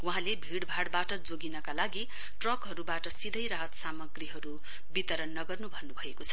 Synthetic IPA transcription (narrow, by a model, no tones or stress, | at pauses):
wuɦãlebʱiɽbʱaɽbaʈʌd͡zoɡinʌkalaɡi | ʈrʌkɦʌɾubaʈʌsid̪ʱʌjɾaɦʌt̪samʌɡriɦʌɾu | bit̪ʌɾʌnːʌɡʌrnubʱʌnːubʱʌekot͡sʰʌ̥